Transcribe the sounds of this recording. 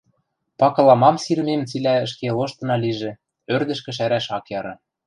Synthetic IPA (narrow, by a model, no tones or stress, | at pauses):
pɑkɤ̆lɑmɑmsirmemt͡silæə̆ʃkeloʃt̪ɤ̆nɑliʒĕ | ørd̪ɘ̆ʃkɘ̆ʃ̬æɾæʃɑkjɑɾɤ̆